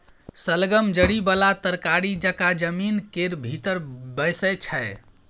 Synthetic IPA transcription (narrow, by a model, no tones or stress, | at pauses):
səlɡəmd͡ʒəɽibəlat̪əɾkaɾid͡ʒəkad͡ʒəminkeɾbʱit̪əɾbəjsəjt͡ʃʰəj